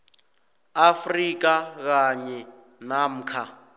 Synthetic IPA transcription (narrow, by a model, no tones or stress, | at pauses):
afrik̬ak̬aɲɛ | nam̩ːkʰa